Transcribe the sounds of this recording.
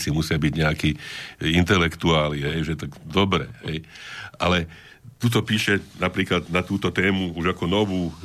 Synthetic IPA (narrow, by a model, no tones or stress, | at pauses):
t͡simusɪabiɟɲɛakiːint̪ɛlɛkt̪uaːliɦɛjʒɛt̪aɡd̪ɔbɾɛ̰ɦɛjʔalɛ | t̪ut̪̬ɔpiːʃɛnapɾiːklad̪nat̪uːt̪ɔt̪ɛːmuuʒakɔnɔʋuː